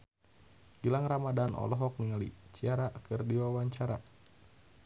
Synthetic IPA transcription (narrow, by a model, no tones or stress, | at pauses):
ɡilaŋramadanɔ̰lɔɦɔk̚niŋalḭt͡ʃiaɾakɨrdiwawaɲt͡ʃaɾa